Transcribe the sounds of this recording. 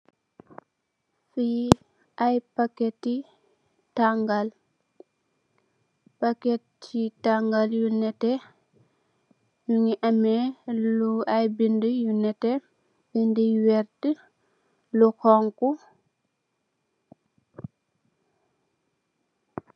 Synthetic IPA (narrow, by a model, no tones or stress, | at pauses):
fi | ʔajpakɛtːi | taŋɡal | pakɛtt͡ʃitaŋɡaljunɛtɛ | juŋiʔamɛluajbindəjunɛtɛ | bindiwɛɾtə | luxɔŋku